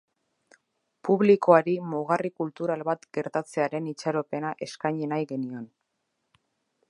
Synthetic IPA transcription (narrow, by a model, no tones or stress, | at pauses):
puβliko̞aɾimoɣ̞arikult̪uɾalβat̪ɡe̞ɾt̪at͡se̞aɾe̞nit͡ʃaɾo̞pe̞naʔe̞skajɲenajɣe̞nio̞n